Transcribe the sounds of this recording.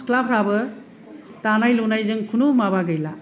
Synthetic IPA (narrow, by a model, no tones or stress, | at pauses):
klap̚ʰɾabɯ | tanajlunajzɯŋkʰunumabaɡɯjla